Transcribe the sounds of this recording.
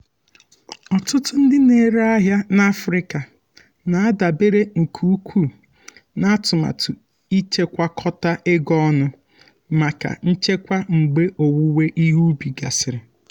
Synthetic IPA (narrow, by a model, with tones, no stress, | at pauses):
ɔ˨tʊ˦tʊ˦n̩˦dɪ˦ne˨ɾe˦a˦ɦja˦na˦fɾɪ˦ka˨ | na˨a˦da˨be˦ɾe˦ŋ̩˨kʰu˦u˦kʷʰu˦˨ | na˦tʊ˨ma̰˨tʊ˨ | i˦t͡ʃe˦kʷa˦kʰɔ˦ta˦ʔe˦ɡɔ˦nʊ˦ | ma˨ka̰˨n̩˦t͡ʃe˦kʷa˦ŋ͡m̩˨ɡ͡be˦ʔo˨wu˦we˦ʔi˦ɦu˦bi˨ɡa̰˨sɪ˨ɾɪ˨